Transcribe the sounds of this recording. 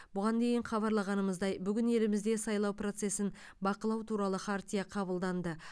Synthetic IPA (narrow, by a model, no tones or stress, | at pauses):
bʊʁɑnd̪e̞jɪɴχɑβɑɾlˠɑʁɑnəməzd̪ɑjbʏɡʲɪne̞lɪmɪzd̪e̞sɑjlˠɑwpro̞t̪se̞sɪn | bɑqəlˠɑwt̪ʰuɾɑlˠəχʰaɾt̪ʲijɑqʰɑβəlˠd̪ɑnd̪ə